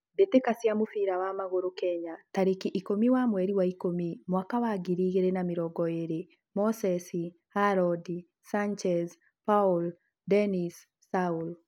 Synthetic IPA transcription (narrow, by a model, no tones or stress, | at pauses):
detekasjamofiɾawamaɣoɾokɛɲataɾekiʔikomiwamwɛɾiwaikomimwakawaɡiɾiɣeɾenamiɾɔɡɔeɾe | mɔsɛsi | haɾɔdi | saɲt͡ʃɛz | paul | dɛnisː | aul